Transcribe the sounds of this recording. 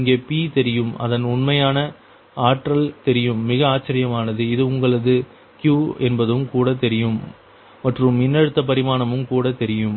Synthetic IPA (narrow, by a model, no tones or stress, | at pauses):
ɪŋɡeːpit̪ɛɾɪjɯmɐ̰ðɐnʊɳmɐjaːnɐ | aːʈɾɐlt̪ɛɾɪjɯmːɪɣɐaːt͡ʃːɐɾɪjɐmaːnɐðɯɪðɯʊŋɡɐɭɐðɯ | kjuːɛnbɐðɯmkuːɽɐt̪ɛɾɪjɯm | mɐʈrɯmɪnːɐɻɯt̪ːɐp̬ɐɾɪmaːnɐmɯmkuːɽɐt̪ɛɾɪjɯm